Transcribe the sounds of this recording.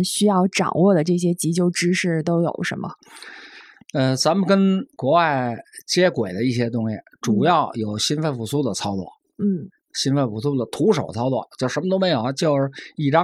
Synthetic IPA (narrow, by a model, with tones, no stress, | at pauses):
ɕy˥jɑ˥˩ʊʈ͡ʂɑ̰˨˩ŋwɔ˥˩d̪ə˩ʈ͡ʂɤ˥˩ɕ̬jɛ˥t͡ɕi˧˥t͡ɕjo˥˧˩ʊʈ͡ʂɻ̩˥ʂɻ̩˥˩t̪o˥ʊjo˨˩ʊʂə̰˧˥nmə̰˧ | ə˧t͡sa˧˥mə˨nkə˥nkwɔ˧˥wa˥˩ɪt͡ɕjɛ˥kwe˨˩ɪd̪ə˦i˥˩ɕ̬jɛ˥t̪̬ʊ˥ŋɕḭ˨˩ʈ͡ʂu˨˩jɑ˥˩ʊjo˨˩ʊɕi˥nfə˥˩nfu˨˩su˥d̪ə˨t͡sʰɑ˥ʊlwɔ̰˥˩ | n̩˥˩ | ɕi˥nfə˥˩nfu˧˨˩su˥d̪ə˨t̪ʰu˧˥ʂo˨˩ʊt͡sʰɑ˥ʊlwɔ̰˥˩t͡ɕjo˥˩ʊʂʂə˧˥mə˧t̪o˥ʊme˧˥ɪjo˨˩ʊt͡ɕjo˥˧ʊʂɻ̩˧˩i˨˩ʈ͡ʂɑ˥